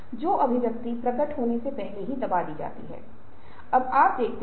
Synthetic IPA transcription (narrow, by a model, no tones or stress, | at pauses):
d͡ʒoːʔɐbʱɪbjɐk̚t̪ipɾɐɡəʈɦoːnesepɛɦleɦid̪ɐbad̪iːd͡ʒa̰ːt̪ḭɦɛ̰ː | ɐbaːp̚d̪eːkʰt̪